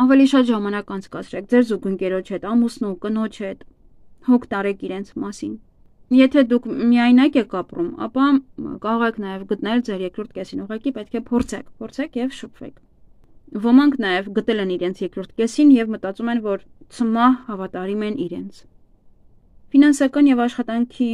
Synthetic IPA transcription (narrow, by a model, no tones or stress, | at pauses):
ɑvɛliʃɑt̪ʒɑmɑnɑkɑnt͡sʰkɑt͡sʰɾɛk̚ʰd͡zɛɾzuɡəŋkɛɾɔt͡ʃʰhɛt̪ɑmusnukənɔt͡ʃʰhɛt̪ | hɔkʰt̪ɑɾɛkʰiɾɛnt͡sʰmɑsin | jɛt̪ʰɛd̪ukʰmiɑjnɑkɛkʰɑprumɑ̰pɑkɑɾɔʁɛkʰnɑjɛvɡət̪nɛld͡zɛɾjɛkɾɔɾt̪̚ʰkɛsinuʁɑkipɛt̪̚kʰɛpʰɔɾt͡sʰɛ̰kʰpʰɔɾt͡sʰɛkʰjɛvʃəpʰvɛ̰kʰ | vɔmɑŋkʰnɑjɛvɡət̪ɛlɛniɾɛnt͡sʰjɛkɾɔɾt̪̚ʰkɛsinjɛvmət̪ɑt͡sumɛnvɔɾt͡sʰəmɑhhɑvɑt̪ɑɾimɛniɾɛ̰nt͡sʰ | finɑnsɑkɑnjɛvɑʃχɑt̪ɑŋkʰi